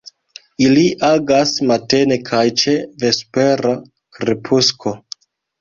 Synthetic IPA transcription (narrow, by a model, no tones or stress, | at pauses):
iliʔaɡasmate̞ne̞kʰajt͡ʃe̞ve̞spe̞ɾa | kɾepʰusko̞